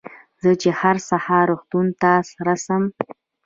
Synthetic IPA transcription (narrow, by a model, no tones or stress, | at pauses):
zət͡ʃehaɾsahɑɾuxt̪unt̪asɾasəm